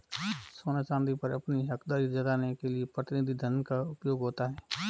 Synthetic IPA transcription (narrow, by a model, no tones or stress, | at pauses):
soːnat͡ʃãːnd̪ipɐɾɐpniɦɐkd̪aːɾid͡ʒɐd̪aːnekeliepɾət̪ɪnɪd̪ʱid̪ʱənkaʊpjoːɡɦoːt̪aɦɛː